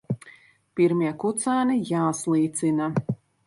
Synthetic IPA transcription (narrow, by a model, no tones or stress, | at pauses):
piɾmiɛkut̪saːnijaːslˠiːt̪sina